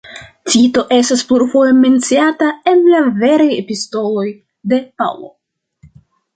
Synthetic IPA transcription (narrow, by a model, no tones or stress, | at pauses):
tito̞ʔe̞staspluɾfo̞je̞me̞nt͡siatae̞nlave̞ɾajepisto̞lo̞j | de̞pa̰wlo̞̰